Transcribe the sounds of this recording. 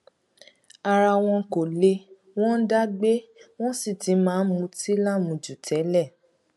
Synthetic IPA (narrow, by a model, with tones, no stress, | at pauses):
a˧ɾa˧w̃ɔ̃˧ko˨le˧˦ | w̃ɔ̃˦n̩˦da˦ɡ͡be˦w̃ɔ̃˦si˦˨ti˨˦mãː˨˦mũ˧ti˦la˦mũ˨d͡ʒu˨tʰɛ˨˦lɛ˦˨